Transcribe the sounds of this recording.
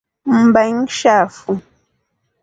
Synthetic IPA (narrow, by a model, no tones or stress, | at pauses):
m̩bɛŋʃafu